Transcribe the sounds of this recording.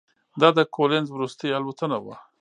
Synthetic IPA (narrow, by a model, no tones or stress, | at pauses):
d̪ɑd̪əkʰolenzwɾust̪əjalwat̪ənawa̰